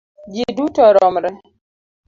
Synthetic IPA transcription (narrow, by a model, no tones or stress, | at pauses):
d͡ʒidutɔɾɔmɾɛ